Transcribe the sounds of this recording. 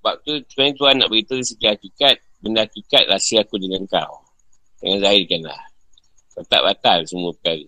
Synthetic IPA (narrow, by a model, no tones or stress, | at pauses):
bap̚t̪usəpaĩt̪uanːa̰ʔbəɣit̪əis̬ikihakikat̪̚bəndaakikat̪̚lasiakudəŋaŋka̰w | də̰ŋanzaikanla̰h | bat̪a̰ʔbat̪alsəmuəpəkaɣə